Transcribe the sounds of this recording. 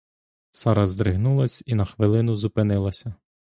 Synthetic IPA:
sɑɾɐzd̪ɾɪɦnulˠɐsʲinɐxʋɪlˠɪnʊzʊpɪnɪlˠɐsʲɐ

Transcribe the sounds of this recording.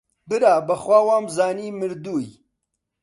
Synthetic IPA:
bɨɾaːbɐxwaːwaːmzaːniːmɨɾd̪uːj

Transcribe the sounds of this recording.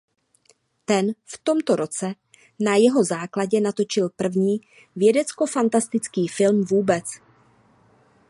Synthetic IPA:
t̪ɛnft̪o̞mt̪o̞ɾo̞t͡sɛ | najɛɦo̞zaːklaɟɛnat̪o̞t͡ʃɪlpr̩vɲiː | vjɛdɛt͡sko̞fant̪ast̪ɪt͡skiːfɪlmvuːbɛt͡s

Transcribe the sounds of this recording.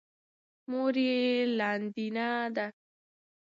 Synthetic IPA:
moɾielaːnd̪inad̪a

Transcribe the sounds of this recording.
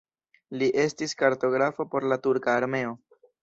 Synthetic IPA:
liʔe̞stiskaɾto̞ɡɾafopo̞ɾlatuɾkaːɾme̞o̞

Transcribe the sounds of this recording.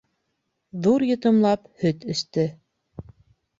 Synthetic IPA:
ðuɾjɤ̆t̪ɤ̆mlˠɑphɵt̪ɵ̆st̪ɵ

